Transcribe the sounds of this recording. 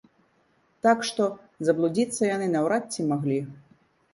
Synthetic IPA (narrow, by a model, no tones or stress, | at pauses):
t̪akʂt̪ɔ | zɐblˠud͡zʲit̪sːɐjanɨnawɾatʲːimaɣlʲi